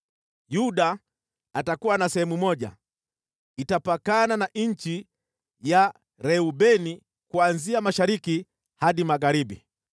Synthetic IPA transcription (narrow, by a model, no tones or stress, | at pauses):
juɗaː | takuwanasɛhɛmumɔʄa̰ | itapakananaɲ̩t͡ʃi | ja | ɾɛubɛni | kuanziamaʃaɾiki | haɗimaɣaɾibḭ